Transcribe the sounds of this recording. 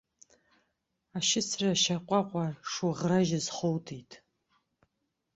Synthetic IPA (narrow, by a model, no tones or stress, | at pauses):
aʃɪt͡sʰraʃaqʷʼaqʷʼaʂuʁraʒazχowtʰitʼʰ